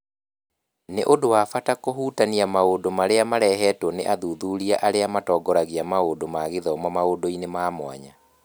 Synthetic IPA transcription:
neʔodowafatakoɦuːtaniamaodomaɾeamaɾɛɦɛtwɔneʔaðuːðuɾiaʔaɾeamatɔːɡɔɾaɣiamaodomaɣeðɔmɔmaodoinemaːmwa̰ɲa

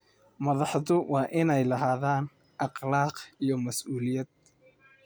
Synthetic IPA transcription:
mɐðɑħðʊwɑːʔɪnɛjlɐɦaːðaːn | ʔɑqlɑːqijɞmɐsʔuːlɪjɐd̪̥̚

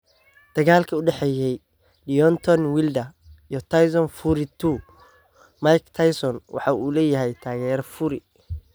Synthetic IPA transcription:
d̪̥ɐɣaːlkʰɐʊɖɛħɛːjɛj | lijɔnt̪ʰɔnwɪld̪ɐ | ijɔt̪ʰajsɔnfuɾɪt̪ʰu | majkt̪ʰajsɔnwʔɑ̰ħɑːʔuːlɛːjɐɦɛjt̪ʰaːɣɛːɾfʊɾɪ

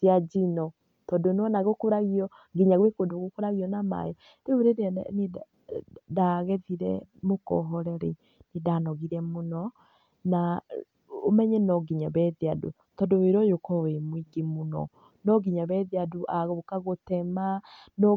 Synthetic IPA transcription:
zjad͡ʒinɔ | tɔdonwɔnaɣokoɾaɣiɔ | ɡiɲaɣwekodoɣokoɾaɣiɔnama̰jɔ | ɾeoɾedeane | daɣɛðiɾɛ̰mokɔ̰ɦɔɾɛɾe | nedanɔɣiɾɛmonɔ | na | omɛɲɛnɔɡiɲaβɛðiado̰ | tɔdoweɾɔjokɔwemwiɡemonɔ̰ | nɔɡiɲaβɛðiadoʔaɣokaɣotɛmanɔ

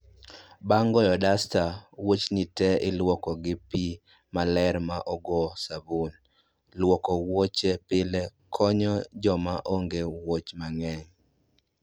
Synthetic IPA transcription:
baŋɡɔjɔdastawot͡ʃnɪtɛɪlwɔkɔɡɪpi | malɛɾmaʔɔɡɔsabun | lwɔkɔwot͡ʃepɪlɛkʰɔɲɔd͡ʒɔmaʔoŋɡewot͡ʃmaŋɛɲ

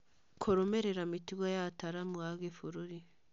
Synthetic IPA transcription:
kʰoɾomeɾeɾamitiɣajataɾamuwaɡefuɾuɾi

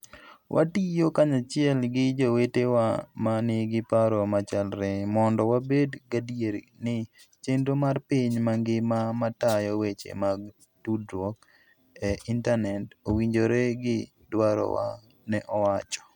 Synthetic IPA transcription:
wʔa̰tijokaɲat͡ʃɪɛlɡɪd͡ʒowetewamanɪɡɪpaɾɔmat͡ʃalɾɛmɔndɔwabedɡadieɾḭ | nɪ | t͡ʃendomarpiɲmaŋɡɪmamatajɔwet͡ʃḛmaɡ | tudɾwɔk | ɛintanɛtowiɲd͡ʒoɾeɡɪ | dwaɾɔ̰wa̰ | nɛʔɔwat͡ʃɔ̥

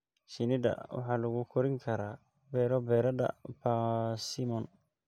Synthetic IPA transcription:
sɪnɪd̪ɐ̰wɑ̰ħɑːlɐɣʊkʰɔɾɪŋkʰɐɾaː | bɛːɾɔbɛːɾɐdɐ̰basɪmɔn

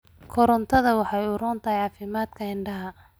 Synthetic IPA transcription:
kʰɔɾɔnt̪ʰɐðɐwɑħɑjuɾɔːnt̪ʰɐɦɛjʕɑːfɪmaːd̪kʰɐɪɳɖɐɦɐ

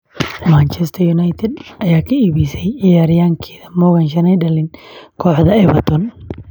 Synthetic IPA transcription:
maːnt͡ʃɛst̪ʰɐjʊnajt̪ʰɛd̪ɐjaːkʰɐiːβisɛjɪjaːɾɪjaːŋkʰɛːðɐmɔɣɐnʃ̬ɐnɛjɖɐlɪnkʰɔːħðɐɛβɐt̪ʰɔn

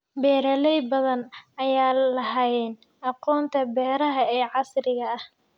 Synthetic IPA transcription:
bɛːɾɐlɛjbɐðɐnɐjaːlɐɦɐjɛːn | ɑqɔːnt̪ʰɐbɛːɾɐɦɐɛːʕɑsɾɪɣɐːh

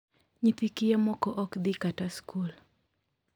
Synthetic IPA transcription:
ɲit̪ikijamɔkɔʔɔkd̪ikataskul

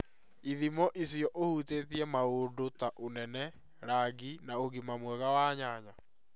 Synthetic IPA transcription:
iðimɔʔisijɔʔohuteːtiɛmaodotaʔonɛnɛ | ɾaɡinaoɣimamwɛɣawaːɲaːɲa

